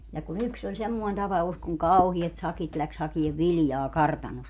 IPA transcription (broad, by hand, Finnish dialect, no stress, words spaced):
jɑ kun yks olʲ semːoin tɑpɑus kuŋ kɑuhiɛt sɑkit læks hɑkieʋ ʋiljɑː kɑrtɑnost